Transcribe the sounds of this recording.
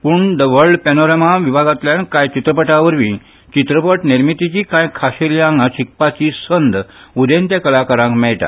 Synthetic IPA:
puːɳd̪əʋəɾɖpɛnoɾamaʋibʱaɡat̪ljankãjt͡ɕit̪ɾəpəʈaʋəɾʋĩ | t͡ɕit̪ɾəpəʈniɾmit̪it͡ɕiːkãjkʰaɕeljãŋɡaɕik̚pat͡ɕiːsənd̪ud̪ent̪jakəlakaɾãŋkmɛɭt̪a̰

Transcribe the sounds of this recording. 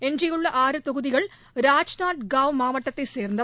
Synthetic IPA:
end͡ʑijuɭːɐʔaːɾɨt̪oɣuðiɣɐɭ | ɾaːd͡ʑnaːʈɡaːwmaːmɐʈːɐt̪ːeseːrnd̪ɐ

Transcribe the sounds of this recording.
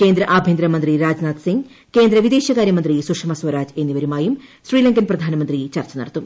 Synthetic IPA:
keːnd̪ɾɐʔaːbʱjend̪ɾɐmɐnd̪riɾaːd͡ʑnaːt̪siŋɡ | ke̞ːnd̪ɾɐʋid̪e̞ːɕɐkaːɾjɐmɐnd̪risukʂmɐswɐɾaːd͡ʑe̞nːiʋɐɾumaːjumsriːlɐŋɡɐnprɐd̪ʱaːnɐmɐnd̪rit͡ɕɐrt͡ɕːɐnɐɽɐt̪ːu

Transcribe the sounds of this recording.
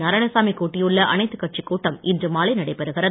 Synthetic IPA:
nɐɾɐnɐsaːmikːoːʈːɪjɯɭːɐʔɐnɐɪt̪ːɯkːɐʈ̚t͡ʃikːuːʈːɐmɪndrɯmaːlɐɪnɐɽɐɪpːɛɾɯɣɪrɐ

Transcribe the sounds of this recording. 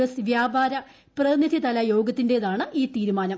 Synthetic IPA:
ɐsʋjaːbaːɾɐ | prɐnid̪ʱit̪ɐlɐjo̞ːɡɐt̪ːinde̞ːðaːɳɨʔiːt̪iːɾumaːnɐm

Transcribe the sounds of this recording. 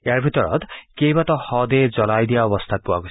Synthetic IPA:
eaɹbʱit̪ɔɹɔ̰t̪kejbat̪ɔhɔd̪ed͡zɔlajd̪ijaɔbɔst̪ʰat̪̚puwaɡo

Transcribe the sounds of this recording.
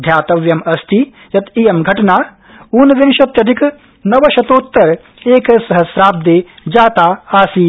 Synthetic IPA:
d̪ʱjaːt̪ɐʋjɐmɐst̪ʰi | jɐt̪ijɐmɡʱɐʈɐnaː | uːnʋinʃɐt̪jɐd̪ʰʱik | nɐʋɐʃɐt̪oːt̪ːɐɾ | eːkɐsɐɦɐsɾaːb̚d̪eːd͡ʒaːt̪aːaːsiː

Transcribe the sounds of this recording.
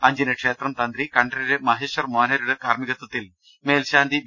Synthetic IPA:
ɐɲd͡ʑinɐkʂeːt̪rɐmt̪ɐnd̪ɾikɐɳɖɐɾuɾemɐɦeːɕʋɐrmoːnɐɾuɽekaːɾmiɣɐt̪wɐt̪ːil | meːlɕaːnd̪ʱi

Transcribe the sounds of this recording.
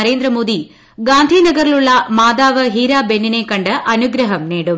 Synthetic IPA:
ɐɾe̞ːnd̪ɾɐmo̞ːd̪i | ɡaːnd̪ʱiːnɐɡɐɾiɭuɭːɐmaːd̪aːʋɐɦiːɾaːbe̞nːine̞kɐɳɖɨʔɐnuɡɾɐɦɐmniːɽum

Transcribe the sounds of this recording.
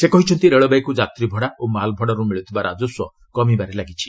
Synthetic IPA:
sekɔɦit͡ʃʰɔnt̪ieɭɔbaikud͡ʒat̪ɾibʱɔɽaʔomalbʱɔɽɔɾumiɭut̪ʰibaɾʔa̰d͡ʒoswɔ | kɔmibaɾelaɡit͡ʃʰi̥

